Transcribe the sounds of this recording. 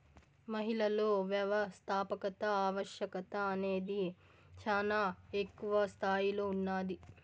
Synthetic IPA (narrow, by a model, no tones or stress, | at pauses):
mɐɦilɐlo̞ːʋjɐʋɐst̪ʰaːpɐkɐt̪ɐaːʋɐʃjɐkɐt̪ɐːne̞ːd̪i | t͡ʃaːlaːekːuʋɐst̪ʰaːjilo̞ːunːaːd̪i